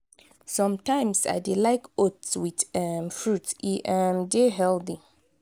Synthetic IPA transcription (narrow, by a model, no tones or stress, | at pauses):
sɔ̃mtʰãɪ̃msa̰ɪdilaɪkotswitɛmfɹutiʔɛmdeɦɛldi